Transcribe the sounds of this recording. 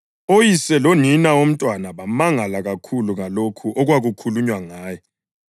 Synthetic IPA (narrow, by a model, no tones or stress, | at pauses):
ojisɛloninaom̩tʼwanaβamaŋalaɣakʰuluŋalokʰuʔɔɣwaɣukʰuluɲwaŋaːjɔ